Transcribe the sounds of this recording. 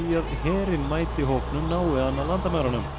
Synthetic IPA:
iaðhɛːɾɪnmaːjt̪ɪɦowknʏnaːwɪanːalant̪amawɾanʏm

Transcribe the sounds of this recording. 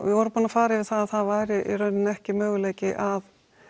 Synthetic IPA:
vɪvɔːɾʏmpunafaːɾɪvɪðθaðaðθaðvaːjɾɪʔiɾœɥnːɪnɛhcɪmœːɣʏleːjcɪʔað

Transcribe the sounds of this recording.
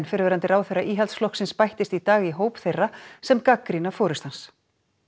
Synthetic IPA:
nfɪɾvɛɾant̪ɪɾaːwθejraʔiːɦɛlt̪sflɔhksɪnspajht̪ɪst̪it̪aːɣiɦoːwpθejrːasɛmkakɾinafɔːɾʏst̪hans

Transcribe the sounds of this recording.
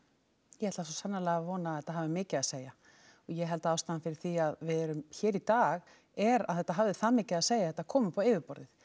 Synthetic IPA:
jɛhɛt̪asɔsanːalɛɣavɔːnaaθɛt̪ːaɦavðɪmɪːcɪaðseːja | ɔjɛɦɛlt̪aaːwst̪aðanfɪɾɪ̥θiaðvɪðɛɾʏmçɛːɾit̪aːɣ | ɛɾa̰ðɛht̪ːaɦavðɪθaðmɪːcɪaðseːjaθɛt̪akʰɔːmʏpaweːvɪpɔɾðɪθ

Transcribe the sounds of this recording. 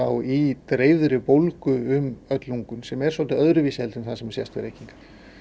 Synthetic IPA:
awit̪ɾeːjðʏɾɪpowlkʏʏmœt̪luŋkʏnsɛmɛɾ̥svɔlt̪ɪœðɾʏviːshɛlt̪ɪnθasɛmɛɾ̥sjɛ̰st̪vɪ̰ɾejciŋkḁ

